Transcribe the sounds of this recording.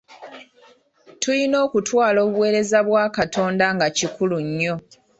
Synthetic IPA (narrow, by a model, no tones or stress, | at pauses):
tʰulino̞ːkutʰwaːlo̞ːβuwe̞ːɾe̞zaβwaːkatʰo̞ːndaŋɡacikʰuluɲːo̞